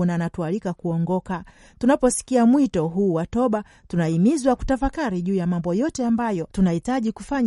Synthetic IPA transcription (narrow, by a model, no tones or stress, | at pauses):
nanatualikakuɔŋɡɔka | tunapɔsi̥kiamwitɔɦuːwatɔɓa | tunaimizwaku̥tafakaɾiʄuːjamambɔjɔtɛambajɔtunahitaʄikufaɲ